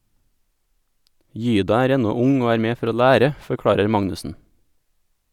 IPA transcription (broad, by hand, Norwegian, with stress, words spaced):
ˈjyːdɑ ˈæːɾ ˈɛnɔ ˈʊŋ ˈoː ˈæːɾ ˈmeː ˈfɔɾ ˈoː ˈʎæːɾə fɔɾˈkɽɑːɾəɾ ˈmɑŋnʉsn̩